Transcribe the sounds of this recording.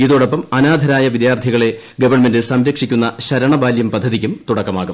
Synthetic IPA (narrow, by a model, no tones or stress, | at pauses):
iðoːɽopːɐmɐnaːd̪ʱɐɾaːjɐʋid̪jaːrt̪ʰiɣɐɭe̞ | ɡɐʋɐrɳmendɨsɐmɾɐkʂikʲːunːɐɕɐɾɐɳɐbaːljɐmpɐd̪ʱːɐðikʲːumt̪uɽɐkːɐmaːɣum